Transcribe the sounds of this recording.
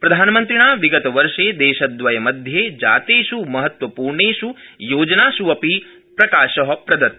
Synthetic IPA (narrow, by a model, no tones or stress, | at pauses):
pɾɐd̪ʱaːnɐmɐnt̪ɾiɳaːʋiɡɐt̪ɐʋɐɾʃeːd̪eːʃɐd̪ʋɐjɐmɐd̪ʱjeːd͡ʒa̰ːt̪eːʃumɐɦɐt̪ʋɐpuːɾɳeːʃujoːd͡ʒɐnaːʃuʋɐpi | pɾɐkaːʃɐɦɐpɾɐd̪ɐt̪̚